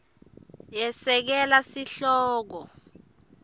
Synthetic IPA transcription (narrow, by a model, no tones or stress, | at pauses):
jɛsɛk̬ɛlasiɬɔːk̬ɔ